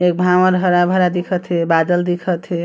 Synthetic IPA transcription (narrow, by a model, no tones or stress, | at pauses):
ek̚bʱawəɾɦəɾabʱəɾad̪ikʰət̪ʰibad̪əld̪ikʰət̪ʰi